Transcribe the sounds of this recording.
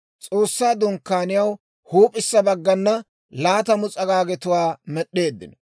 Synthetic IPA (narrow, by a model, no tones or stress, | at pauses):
t͡sʼo̞ːsːaːd̪ʊŋkːaːnɪjɐw | huːpʼɪsːɐbɐɡːɐnːɐ | laːt̪ɐmʊt͡sʼɐɡaːɡɛt̪ʊwaːmɛɗːe̞ːd̪ːɪ̰nɔ